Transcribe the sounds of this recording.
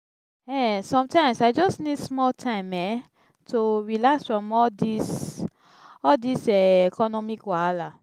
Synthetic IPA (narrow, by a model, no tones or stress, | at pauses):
ɛsɔ̃mtãɪ̃msaɪd͡ʒɔsnidsmɔltʰãɪ̃mɛ | towilasfɹɔ̃mɔdis | ɔdisɛekɔnɔmikwala